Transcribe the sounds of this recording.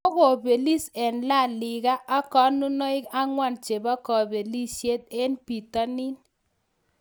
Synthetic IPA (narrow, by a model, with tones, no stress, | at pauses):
ɔ˦ɣɔ˨be˨li˦sɛ˨nla˦˨lɪ˨ɣa˦ʔːkɔ˨˦nu˦nɔ˦ɪ˦ka˦ŋwa˦˨nt͡ʃe˨ba˦kɔ˨be˨li˦se˦t̪̚e˦npi˨ta˦ni˦n